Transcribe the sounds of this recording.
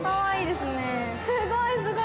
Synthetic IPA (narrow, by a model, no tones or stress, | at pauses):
kaβaiːd̪esɨne | sɨɡoisɨɡo